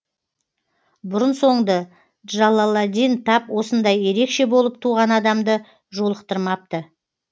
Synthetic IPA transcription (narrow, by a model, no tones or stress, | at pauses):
bʊɾənso̞ɴd̪ə | ʒɑlˠːɑlˠɑd̪ijnt̪ʰɑpwo̞sənd̪ɑje̞ɾe̞kʃe̞bo̞lˠəp̚t̪ʰuʁɑnɑd̪ɑmd̪ə | ʒo̞lˠəqt̪əɾmɑp̚t̪ə